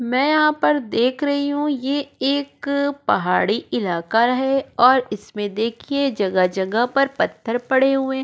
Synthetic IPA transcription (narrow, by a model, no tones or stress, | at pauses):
mɛ̃ːjɐɦãpɐɾd̪eːkʰɾɐɦiɦũjeeːkpɐɦaːɽiɪlaːkaɦɛɔːɾɪsmẽd̪eːkʰied͡ʒɐɡəd͡ʒɐɡəɦpɐɾpɐt̪ʰːəɾpɐɽeɦʊẽː